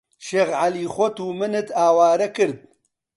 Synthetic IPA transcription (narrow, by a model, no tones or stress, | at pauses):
ʃeːɣʕaliːxʷɔt̪uːmɨnɨt̪ʰaːwaːɾɐkɨɾd̪̚